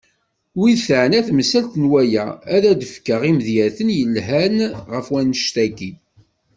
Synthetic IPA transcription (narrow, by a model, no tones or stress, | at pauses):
wiθəʕnæθməsælt̪nwæjææðæd̪əfkəʁiməðjæθənjəlɦænʁəfwænəʃt̪æki